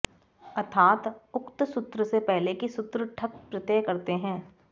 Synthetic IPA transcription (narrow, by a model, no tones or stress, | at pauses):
ɐt̪ʰaːt̪ʊkt̪sʊt̪ɾəsepɛɦlekisʊt̪ɾəʈʰɐk̚pɾɪt̪eːkɐɾt̪eɦɛ̃ː